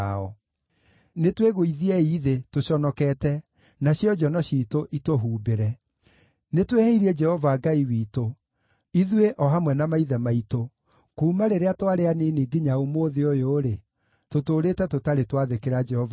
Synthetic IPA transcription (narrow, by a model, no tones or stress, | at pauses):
ɔ | netweɣoiðiɛiðetoɕɔnɔkɛːtɛ | naɕiɔd͡ʒɔnɔɕiːtoʔitoɦuːbeɾɛ | netweheiɾiɛd͡ʒɛhɔvaːɡaiwiːto | iðweʔɔɦamwɛnamaiðɛmaito | kuːmaɾeɾeatoaɾeaneniɡiɲaomoðeojoːɾe | totoːɾetɛtotaɾetwaðekeɾad͡ʒɛhɔva